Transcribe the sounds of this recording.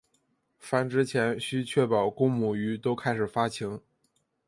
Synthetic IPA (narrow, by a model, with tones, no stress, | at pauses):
fa˥nʈ͡ʂɻ̩˥t͡ɕʰjɛ˧˥nɕy˥t͡ɕʰɥɛ˥˩pɑ˨˩ʊkʊ˥ŋmu˨˩y˧˥t̪o˥ʊkʰa˥ɪʂɻ̩˨˩fa˥t͡ɕʰi˧˥ŋ